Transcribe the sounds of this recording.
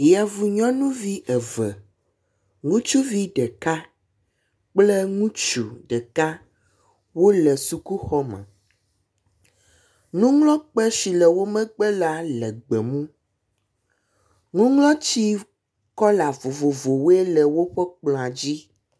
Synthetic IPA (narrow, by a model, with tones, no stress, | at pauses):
ja˨vu˨ɲɔ̃˦nũ˦vi˦ʔɛ˨vɛ˨ | ŋũ˦t͡ʃu˦vi˦ɖɛ˨ka˦ | k͡plɛ˦ŋũ˦t͡ʃu˨ɖɛ˨ka˦ | wo˦lɛ˨su˨ku˦xɔ˦mɛ̰̃˨ | nũ˦ŋlɔ̃˦k͡pɛ˦ʃi˨lɛ˨wo˦mɛ̃˦ɡ͡bɛ˦la˦lɛ˨ɡ͡bɛ˨mũ˦ | ŋũ˦ŋlɔ̃˦t͡ɕi˦ | kɔ˦la˨vo˨vo˨vo˨wɛ˦lɛ˨wo˦ɸɛ˦k͡plɔ̃˨a˨d͡ʑi˦